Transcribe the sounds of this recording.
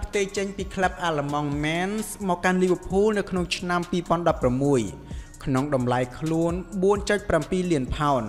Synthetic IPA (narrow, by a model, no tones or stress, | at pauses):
pʰt̪eːk̚t͡ɕəɲpiːkʰlɛp̚ʔaːləmɑŋmɛnsmɔːkːanliːʋə̆pʰuːlnɨwkʰnoŋt͡ɕʰnampiːpŏənɗɑpːramːuəjkʰnoŋɗɑmlaɛjkʰluənɓuənt͡ɕət̪̚prampiːliənpʰaɔn